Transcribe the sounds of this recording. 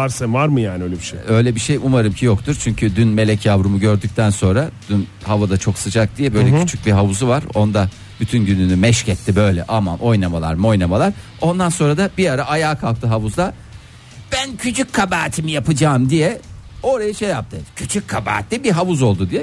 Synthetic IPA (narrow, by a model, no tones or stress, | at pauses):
aɾsanvaɾmɯjaːnɪølʲɛbiʃeø̞jlʲɛbiʃejumaɾɯmcʰijokt̪ʰuɾt͡ʃʰyɲcʰyd̪ynme̞lʲɛcʰjavɾumuɟø̞ɾd̪yc̚t̪ʰænso̞nɾad̪̥yn | havad̪at͡ʃʰo̞ksɯd͡ʒak̚d̪ijɛbø̞jllʲɛcʰyt͡ʃʰyc̚biɦavuzuvaɾo̞nd̪a | byt̪ʰynɟynynymɛʃcɛt̪ʰːibø̞jlʲɛ̰ʔamanʔo̞jnamalˠa̰ɾmo̞jnamalˠaɾ | o̞nd̪anso̞nɾad̪abiaɾaʔajaːkʰalˠk̚t̪ʰɯɦavuzd̪ˠa | b̥æncʰyt͡ʃʰyc̚ʲkʰabaːt̪ʰimijapɯd͡ʒaːmd̪ijɛo̞ɾajaʃejːap̚t̪ʰɯcʰyt͡ʃʰyc̚kʰːaba̰ːt̪lʲibiɦavuzo̞lˠd̪ud̪ijɛ